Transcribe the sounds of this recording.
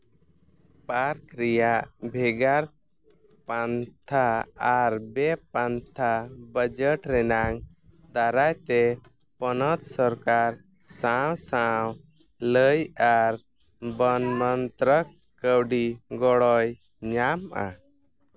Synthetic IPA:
paɾkɾɛjaʔbʱɛɡaɾ | pant̪ʰaaɾbɛpant̪ʰabəd͡ʒəʈɾɛnaŋ | d̪aɾajt̪ɛ | pɔnɔt̪sɔɾkaɾ | sawsaw | ləjaɾ | bənmənt̪ɾək | kːəwɖiɡɔɽɔj | ɲamʔa̰

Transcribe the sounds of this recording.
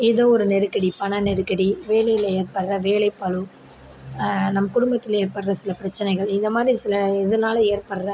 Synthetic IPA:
eːðoːɔɾɯnɛɾɯkːɐɽipɐɳɐnɛɾɯkːɐɽiʋeːlɐjɪleːɾpɐɽrɐʋeːlɐɪpːɐlɯ | nɐmːɐkʊɽʊmbɐt̪ːɪleːɾpɐɽrɐsɪlɐpɪɾɐt͡ʃːɐnɐɪɣɐɭɪnd̪ɐmaːd̪ɾisɪlɐɪðɐnaːleːɾpɐɽrɐ

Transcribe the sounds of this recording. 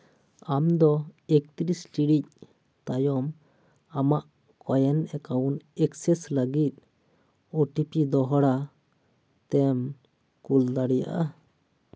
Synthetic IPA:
amd̪ɔek̚t̪iɾistiɽic̚ | t̪ajɔm | amaʔ | kɔjɛnɛkawnɛksɛsləɡit̪̚ | oʈipid̪ɔɦɔɽa | t̪ɛm | kuld̪aɽɛja̰ʔa

